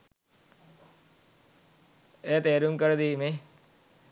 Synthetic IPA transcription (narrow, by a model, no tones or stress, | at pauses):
eːt̪eːɾuŋkəɾd̪iːme